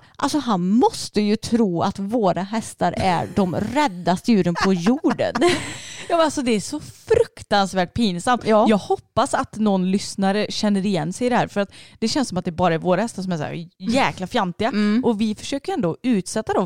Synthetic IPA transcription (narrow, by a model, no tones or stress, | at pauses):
ʔa̰lsɔɦanmɔst̪əjɵt̪ʰɾuːa̰t̪voːɾaɦɛst̪aɾæ̰ɖɔmɾɛd̪ːast̪əjʉ̟ːɾənpʰɔjuːɖə̰njɑːalsɔd̪ɛːʂɔfɾɵkt̪ansvæːʈ̚pʰiːnsamt̪ːjɑːɡhɔpːasat̪nɔnːlʏsnaɾəɕɛnːəɾɪjɛnːsɛjd̪ɛhæːɾfœɾat̪d̪ɛɕɛnsɔmt̪d̪ɛɾbɑːɾaɛɾvoːɾahɛst̪aʂ̬ɔmæʂæ̰ːjɛːklafjant̪ɪɡaʔɔvɪfœ̥ʂøːkəɾɛnd̪oɔʉ̟ːt̪sɛt̪ːad̪ɔm